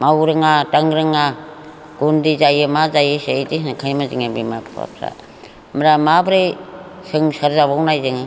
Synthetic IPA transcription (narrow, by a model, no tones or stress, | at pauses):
mawɾɯŋataŋɾɯŋa | ɡ̥undizajɯmazajɯseetisakʰajmaziŋabimapʰa̰psa̰ | mɾamabɾesɯŋsaɾzabawnajzɯŋɯ